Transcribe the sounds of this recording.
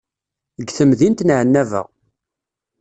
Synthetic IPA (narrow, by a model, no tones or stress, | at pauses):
əɡθəmðint̪nʕənːævə̰ʁ